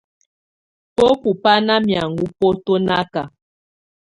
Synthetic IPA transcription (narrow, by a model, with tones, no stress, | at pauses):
po˦pu˨pa˦na˦mja˨ŋɡu˦po˦to˦na˦ka˨